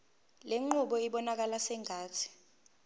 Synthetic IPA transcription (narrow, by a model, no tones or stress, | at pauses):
leŋ͡ǃuɓɔiɓɔnak̬alasɛŋʱaːtʰi̥